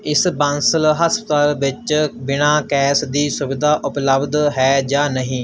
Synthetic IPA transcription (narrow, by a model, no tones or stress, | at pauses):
ɪsbãːnsəlɦəspət̪aːlʋɪt͡ʃbɪnaːkɛːsd̪iːsʊʋɪd̪aːʔʊpləbd̪ɦɛːd͡ʒaːnəɦĩː